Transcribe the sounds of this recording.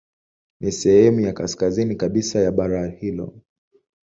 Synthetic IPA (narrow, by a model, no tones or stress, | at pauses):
nisɛhɛmujakaskazinikaɓisajaɓaɾahilɔ̰